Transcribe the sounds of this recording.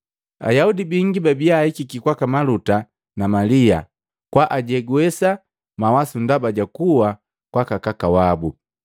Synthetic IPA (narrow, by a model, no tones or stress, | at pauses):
a̰jaudibiŋɡibabijaːikikikwakamaluta | namalia̰ | kwaʔaɟɛɡuɛsa | mawasundabaɟakuwa | kwakakakawabu